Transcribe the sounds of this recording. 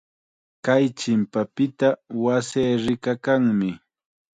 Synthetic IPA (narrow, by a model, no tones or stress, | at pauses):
kajt͡ʃɪmpapɪt̪awaseːɾɪkakaŋmɪ